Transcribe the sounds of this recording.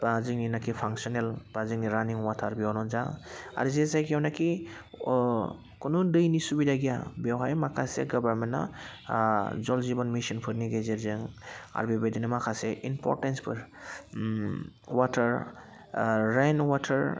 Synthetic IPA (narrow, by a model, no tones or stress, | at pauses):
baziŋninakipʰaŋsɔnelb̥aziŋniɾaniŋwatʰaɾbiawnɔnzaa̰ɾzesajkiwnaki | kɔnudɯjnisubidaɡijabewɦajmakʰasḛɡɔbaɾmenːɔ̰ | zɔlzibɔnmisɔnpʰɯɾniɡezeɾzɯŋa̰ɾbibedinɯmakʰaseʔinpʰɔ̰ɾtenspʰɯɾ | watʰaɾ | ɾajnwatʰaɾ